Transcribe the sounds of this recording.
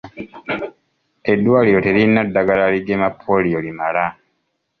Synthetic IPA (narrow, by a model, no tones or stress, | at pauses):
e̞dːwaːliɾo̞te̞ɾinːadːaɡalaliɡemapʰːolijolimala